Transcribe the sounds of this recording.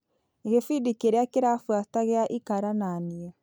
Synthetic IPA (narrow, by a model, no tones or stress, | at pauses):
eɣefidikeɾeakeɾafwataɣeaʔikaɾananiɛ